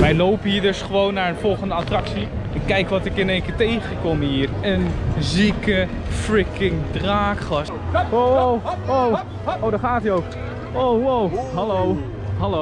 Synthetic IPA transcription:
ʋɛjlowpəɦiːɹdɵsχəʋownːaːɹənv̥ɔlˠχəndəatrɑksi | ɛnkɛjkʋɑtɪkɪnejŋkɪːɹtejχənkɔmɦiːrənzikə | frɪkɪŋdraːkχlɑs | oowow | owdaɹχaːətiowvə | owowɦɑlow | ɦɑlo

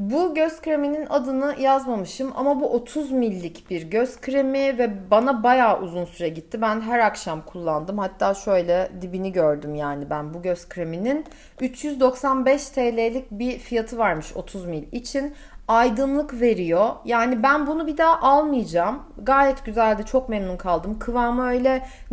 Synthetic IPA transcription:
buɟøzkɾemininʔad̪ɯnɯjazmamɯʃɯmʔa̰mabuʔo̞t̪ʰuzmilʲːicb̥iɾɟøzkʰɾemivɛbanabajaːʔuzunsyɾɛɟit̪ʰːibænɦæɾakʃamkʰulˠːand̪ɯmhat̪ʰːaːʃø̞jlʲɛd̪ibiniɟøɾd̪ymjaːnibænbuɟøzkɾeminin | yt͡ʃʰjyzd̪o̞ksanbɛʃt̪ʰeːlʲelʲic̚bifijat̪ʰɯvaɾmɯʃo̞̰t̪ʰuzmilʲit͡ʃʰin | ajd̪ɯnlˠɯkve̞ɾijojaːnibænbunubid̪aːʔalˠmɯjad͡ʒaːm | ɡaːjɛt̪ɟyzælʲd̪ɛt͡ʃʰo̞kmɛmnunkʰalˠd̪ɯmkʰɯvaːmaø̞jlʲɛ

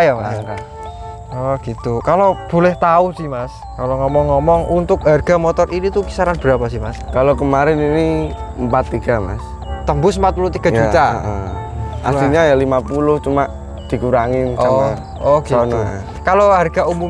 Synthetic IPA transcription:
jamas | ɔɡ̥it̪ukalob̥o̤lɛht̪aʊsihmas | kaloŋɔmɔŋːɔmɔŋʔunt̪ʊkɦarɡ̥a̤mɔt̪ɔrinit̪ukisaɾanb̥əɾapasɪhmaskalokəmaɾɛniniəmpat̪ːiɡ̥ama̰s | t̪əmbʊsəmpat̪̚pulʊht̪iɡ̥a̤jd͡ʒut̪a̰ʔəʔa̰tiɲajalimapulʊht͡ʃumaʔ | d̪̥i̤kuɾaŋiɔa | ɔɡiɔnɔa̰ | kaloɦarɡ̥a̤umum

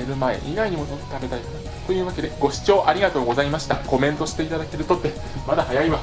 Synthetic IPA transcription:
eɾɯ̟mae̞̰ʔinaiɲ̟imonott̪abe̞t̪aik | t̪o̞jɯ̟ːβake̞d̪e̞ɡ̥o̞ɕi̥t͡ɕo̞ːʔaɾʲiɡat̪o̞ːɡo̞zaimaɕi̥t̪a̰ko̞mẽ̞nt̪o̞ɕi̥t̪e̞it̪ad̪ake̞ɾɯ̟t̪o̞t̪ːe | mad̪ahajaima

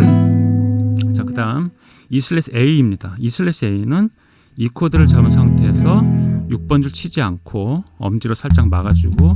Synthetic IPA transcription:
t͡ɕakɯdaɯm | isʰɯɭeseiːmɲidaisʰɯɭe̞sʰɯe̞inɯn | ikʰodɯɾɯɭt͡ɕamɯnsʰaŋtʰe̞ːsʰʌjuk̚p͈ʌnd͡ʑuɭt͡ɕʰid͡ʑiankʰoʌ̰md͡ʑiɾosʰaɭt͡ɕ͈aŋmaɡad͡ʑuɡo

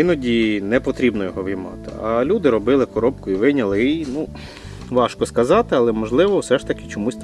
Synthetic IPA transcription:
ɪnɔdʲinɛpɔt̪ɾʲibnɔjɔɦɔʋʲɪjmɑ̰t̪ɪ̰ɐlʲud̪ɪɾɔbɪlˠɪkɔɾɔp̚kʊiʋɪnʲɐlˠɪinu | ʋɑʃkɔskɐzɑt̪ɪɐlˠɛmɔʒlˠɪʋɔwsɛʃt̪ɐkʲɪ̥t͡ʃɔmusʲ

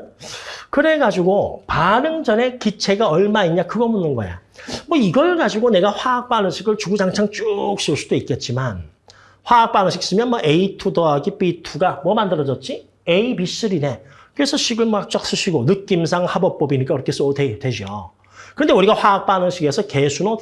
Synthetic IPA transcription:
kɯɾe̞ɡad͡ʑiɡopaɾɯŋd͡ʑʌne̞kit͡ɕʰe̞ɡaʌɭmaiɲɲakɯɡʌmunːɯnɡʌj̰ja̰mwʌiɡʌɭɡad͡ʑiɡone̞ɡaɸwaːk̚p͈anɯnɕʰiɡɯɭt͡ɕuɡud͡ʑaŋt͡ɕʰaŋt͡ɕ͈uk̚ɕ͈iuɭs͈ud̥oik̚k͈e̞t̚t͡ɕ͈iman | ɸwaːk̚p͈anɯɕʰik̚s͈ɯmjʌnmwʌʔeitʰudoaɡip͈itʰuɡamwʌmandɯɾʌd͡ʑʌt̚t͡ɕ͈i | eibis͈ɯɾine̞ | kɯɾesʰʌɕʰiɡɯɭmʌak̚t͡ɕ͈ak̚s͈ɯɕʰiɡonɯk͈̚ims̬ʰaŋhabʌk̚p͈ʌbiɲik͈aɯɾʌkʰes͈tetwe̞d͡ʑio̰ | kɯʌnde̞uɾiɡaɸwaːk̚p͈anɯnɕʰiɡe̞sʰʌke̞sʰuɾo

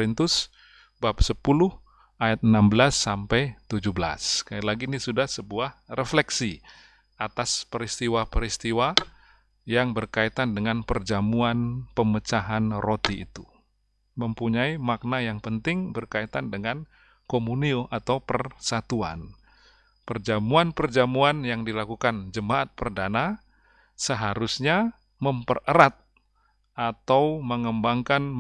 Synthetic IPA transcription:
ɾint̪ʊs | bap̚səpulʊh | ʔajat̪̚nambəlasːampɛjt̪ud͡ʒuhbəla̰skajlaɡinisudahsəbuahrɛflɛksi | at̪aspəɾist̪iwapəɾist̪iwa | jaŋbərkait̪andəŋanpərd͡ʒamuanpəmət͡ʃaɦanrot̪iḭt̪u | məmpuɲaimak̚najaŋpənt̪ɪŋbərkait̪andəŋan | komunioʔat̪awpərsat̪ua̰n | pərd͡ʒamuanpərd͡ʒamuanjaŋdilakukand͡ʒəmaat̪̚pərdana | səɦaɾusɲa | məmpə̰rəɾat̪̚ | ʔat̪awməŋəmbaŋkan

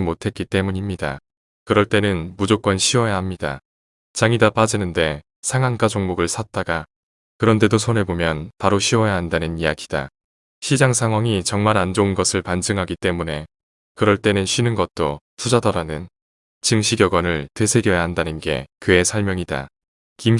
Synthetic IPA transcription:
motʰe̞t̚k͈it͈e̞muɲimɲida̰ | kɯɾʌɭt͈e̞nɯnmud͡ʑok͈wʌnɕʰiwʌjaɦamɲida̰ | t͡ɕaŋidap͈ad͡ʑinɯnde̞ | sʰaŋank͈ad͡ʑoŋmoɡɯɭsʰat̚t͈aɡa | kɯɾʌnde̞dosʰonebomjʌnpaɾoɕʰiwʌjaɦandanɯnijaɡid̥a̰ | ɕʰid͡ʑaŋsʰaŋwaŋit͡ɕʌŋmaɾand͡ʑounɡʌsʰɯɭpand͡ʑɯŋɦaɡit͈e̞mune̞ | kɯɾʌɭt͈e̞nɯnɕʰinɯnɡʌt̚t͈o | tʰud͡ʑadʌɾanɯn | t͡ɕɯŋɕʰiɡjʌɡʌnɯɭte̞sʰe̞ɡjʌjaɦandanɯnɡe̞̰kɯe̞sʰʌɭmjʌŋida̰ | kim

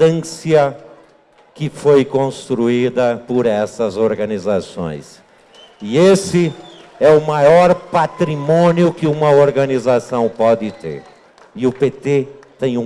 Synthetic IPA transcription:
ɐ̃siɐ | kɪfojkõst̪ɾuid̪ɐpʊɾɛsɐzoɾɡɐnizasõ̰j̃s | ɪesɪɛʊmajɔɾpat̪ɾimõnjʊkɪũmɐoɾɡɐnizasɐ̃w̃pɔd̪ɪt̪ḛɾ | ɪʊpet̪et̪ẽj̃ũ

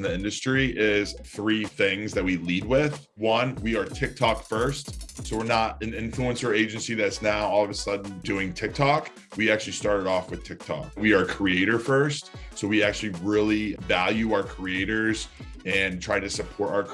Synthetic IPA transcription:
nðiɪ̃ndɨstɹ̥iʔɪz̥θɹiθɪ̃ŋzðɨt̚wilid̚wɪð̥ | wʌ̃nwiə˞tʰɪk̚tʰɑkfɜ˞stsoʊwɨɹnəɾɨ̃nɪ̃ɱfluɨ̃nsə˞eɪd͡ʒɨ̃nsiðɨtsnaʊɔlˠʌvəsʌdⁿn̩dʉɪ̃ŋtʰɪk̚tʰɑk | wiæk̚t͡ʃʉl̩ˠistɑɹɾɨɾɔfwɨð̥tʰɪk̚tʰɑ̰k̚wiə˞kʰɹ̥ieɪɾə˞fɜ˞stsoʊwiæk̚t͡ʃʉl̩ˠiɹɪlˠivælˠjʉaʊə˞kʰɹ̥ieɪɾə˞zɨ̃ntʰɹ̥aɪɾɨsɨpʰɔɹɾa̰ʊə˞

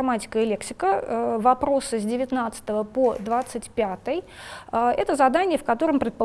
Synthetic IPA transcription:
matʲɪ̥kəɪlʲe̞ksʲɪkəvɐpɾo̞sɨzʲdʲɪvʲɪt̪nat̪sɨ̥t̪əvəpod̪vat̪sɨtʲpʲat̪əjəɛ̰t̪əzɐd̪anʲɪjəfkɐt̪o̞ɾəmpɾʲɪt̪̚pə

